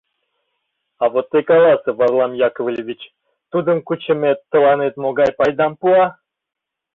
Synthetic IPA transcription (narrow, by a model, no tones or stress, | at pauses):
ɑvot̪ːekɑlɑsəvɑrlˠɑmjɑkovlʲevʲit͡ɕ | t̪ud̪əmkut͡ɕəmet̪ːə̆lˠɑnet̪moɡɑjpɑjd̪ɑmpuɑ